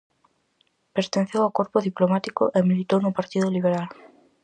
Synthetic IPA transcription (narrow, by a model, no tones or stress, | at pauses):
peɾt̪ẽn̟θewawkoɾpʊðiplomat̪ikʊʔemilit̪ownʊpaɾt̪iðʊliβeɾal